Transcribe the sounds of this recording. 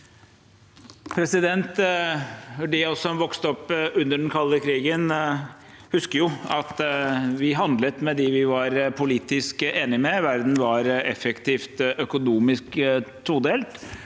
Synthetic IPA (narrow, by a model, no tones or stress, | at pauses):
pʰɾɛsɪd̪ɛnt̪ | ɔɖɪɔsɔmʋɔkst̪ɔpːʉnːəɖɛnkʰɑlːəkʰɾiːɡən | hʉskəɾjʊɑt̪ʋɪɦɑnd̪lət̪mɛd̪ɪʋɪʋɑɾpʰʊliːt̪ɪskʔeːnɪmɛʋæɾd̪n̩ʋɑɾɛfɛkt̪ʰiːft̪ʔœkʊnuːmɪskt̪ʰud̪eːlt̪